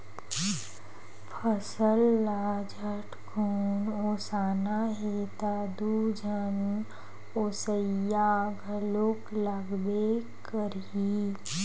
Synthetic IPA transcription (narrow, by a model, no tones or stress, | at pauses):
pʰəsəlːad͡ʒəʈkʰoːnosaːnaɦeːt̪ad̪ud͡ʒʱən | oːsəjaɡʱəloːkləɡbe | kəɾ | i